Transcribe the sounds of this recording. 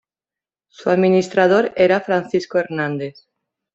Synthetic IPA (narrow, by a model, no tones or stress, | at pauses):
suaðminist̪ɾað̞oɾeɾafɾanθiskoeɾnãnd̪eθ